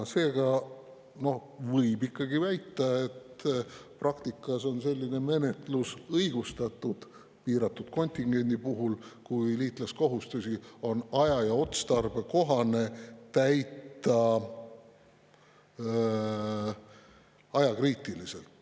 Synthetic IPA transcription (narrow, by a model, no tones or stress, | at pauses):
se̞ːɡ̥ɑ | no̞h | vɤjbikːɑɡivæjt̪ːˑɑe̞t̪prɑkt̪ikːˑɑso̞nse̞lʲːine̞me̞ne̞t̪lusɤjɡ̥ust̪ɑt̪ːˑud̪̥ | piːɾɑt̪ːˑud̪̥ko̞nʲt̪ʲiŋɡ̥e̞nʲd̪ipuɦulkujliːt̪ˑlesko̞ɦust̪usio̞nɑjɑjɑo̞t̪st̪ɑrbe̞ko̞ɦɑne̞t̪æjt̪ːˑɑ | ɑjɑkriːt̪ːˑilise̞lt̪